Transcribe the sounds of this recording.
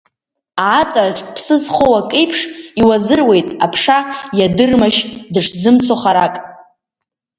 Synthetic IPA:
aːt͡sʼarʈ͡ʂʼpʰsɨzχʷowakʼejpʰʂiwazɨrwe̞jtʼapʰʂajadɨrmaʃdɨʂzɨmt͡sʰoχaɾakʼ

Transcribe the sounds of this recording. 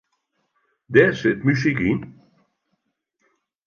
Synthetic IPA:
d̪ɛsɪt̪mys̬ikin

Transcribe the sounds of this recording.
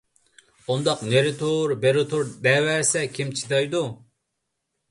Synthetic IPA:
und̪ɑqneɾɪt̪ʰuɾbeɾɪt̪ʰuɾd̪ɛːwɛɾsɛkʲʰimt͡ʃʰi̥t̪ɑjd̪u

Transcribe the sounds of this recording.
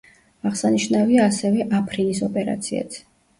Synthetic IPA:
aʁsaniʃnaviaːsɛvɛʔapʰɾinisɔpʼɛɾa̰t̪sʰia̰t̪ʰ

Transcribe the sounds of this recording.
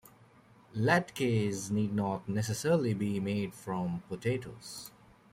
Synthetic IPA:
læʈkeːzniːɖ̚nɔːʈ̚nɛsəsɛɾəlibimeːɖfɾɔ̃mpoʈʰeːʈo̰ːs

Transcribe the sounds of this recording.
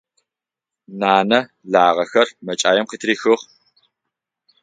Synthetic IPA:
naːnɐ | ɮaːʁɐxɐrmɐt͡ʃʼaːjɛmqiːtʰriːxɨʁ

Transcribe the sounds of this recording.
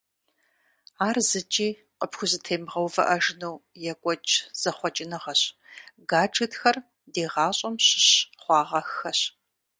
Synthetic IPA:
aːrzɨt͡ʃʼiː | qʼəpxʷʊzɨtʰeːmʁɐwvɐ̰ʔɐʒnuwjɛkʷʼɔt͡ʃʼz̥ɐχʷɔt͡ʃʼɪnɨʁɐɕɡaːʈ͡ʂʼɨtxɐr | deːʁɑːɕʼɐmɕɪɕχʷɑːʁɐxɐɕ

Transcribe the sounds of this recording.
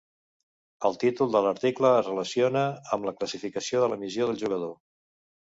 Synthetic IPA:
əlˠt̪it̪ulˠd̪ələɾt̪ikləːzrələsionəəmləkləsifikəsioðələmizjoð̞əlˠʒuɣəðo

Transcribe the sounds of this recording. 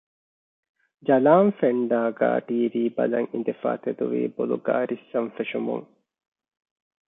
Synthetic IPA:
d͡ʒɐlaːnfeɳɖaːɡa̰ːʈiːʋiːbɐlɐŋind̪efa̰ːt̪ed̪uʋḭːboluɡaːɾʔisːɐɱfeʃumṵŋ

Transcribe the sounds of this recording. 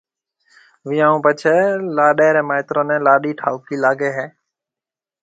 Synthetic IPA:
ʋɪ̃ːãːũːpət͡ʃʰeːlaːɗeːɾɛ̃ːmaːɪt̪ɾõːnɛ̃ːlaːɗiːʈʰaːʊkiːlaːɡeːɦɛː

